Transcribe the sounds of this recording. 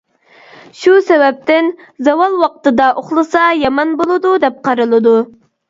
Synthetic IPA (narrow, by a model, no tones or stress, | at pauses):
ʃusɛwɛp̚t̪ɪn | zɑwɑlˠwɑqt̪ɨd̪ɑʔoχlˠɨsɑjɑmɑnbolˠɨd̪ud̪ɛp̚qʰɑɾɨlˠɨd̪u